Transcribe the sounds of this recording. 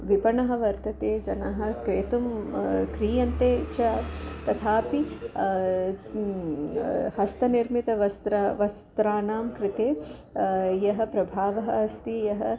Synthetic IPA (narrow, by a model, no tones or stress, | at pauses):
ʋipɐɳɐɦɐ̆ʋɐɾt̪ɐt̪eːd͡ʒɐnɐɦɐ̆kɾeːt̪umkɾiːjɐnt̪eːt͡ʃat̪ɐt̪ʰaːpi | hɐst̪ɐniɾmit̪ɐʋɐst̪ɾʋɐst̪ɾaːnaːmkɾɪt̪eː | jɐɦɐ̆pɾɐbʱaːʋɐɦɐɦɐst̪ijɐɦɐ